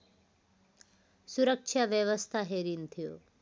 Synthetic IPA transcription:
suɾəkʃʰaʋjəʋəst̪ʰaɦeːɾint̪ʰijo̰ː

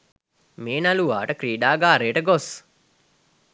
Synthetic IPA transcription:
meːnaluʋaːʈəkɾiːɖaːɡaːɾeːʈəɡos

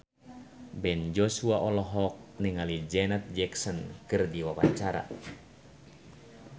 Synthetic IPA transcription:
bɛnd͡ʒɔsuaʔɔlɔɦɔk̚niŋalid͡ʒɛnat̪̚d͡ʒɛksɔnkɨrdiwawa̰ɲt͡ʃaɾa̰

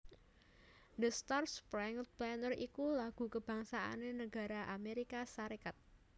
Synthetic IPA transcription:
d̪əst̪arspɾɛŋblɛnərikulaɡ̥ṳkəb̥a̤ŋsaa̰nenəɡ̥a̤ɾaʔameɾikasaɾikat̪̚

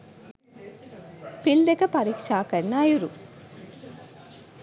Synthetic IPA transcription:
pild̪ɛkɐpɐɾiːkʂaːkɐnːaːjuɾu

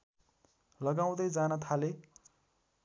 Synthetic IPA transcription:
lʌɡaw̃d̪ʌjd͡zanʌt̪ʰale

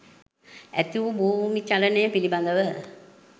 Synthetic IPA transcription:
æ̰t̪iʋubuːʋumit͡ʃalənəjəpiliband̪əʋə

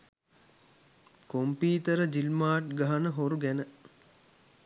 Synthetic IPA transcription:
kompiːt̪əɾəd͡ʒilmaːʈɡaɦanəɦoɾuɡænə

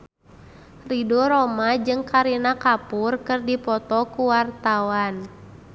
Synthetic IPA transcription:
ridɔɾɔmad͡ʒɨŋkaɾinakapurkɨrdipɔt̪ɔkuwart̪awan

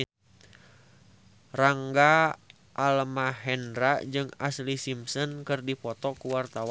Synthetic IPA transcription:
raŋɡa | ʔːlmahɛnɾad͡ʒɨŋa̰slisimsənkɨrdipɔt̪ɔkuwart̪aw

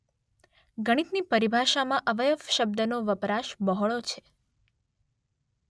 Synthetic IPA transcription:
ɡəɽ̃it̪nipəɾibʱaʃamãʔəʋəjəʋʃəb̚d̪ənoʋəpɾaʃbəɦɭot͡ʃʰe̥

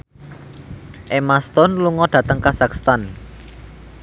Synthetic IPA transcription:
ʔemast̪ɔnluŋɔɖ̥ä̤t̪əŋkasakst̪an

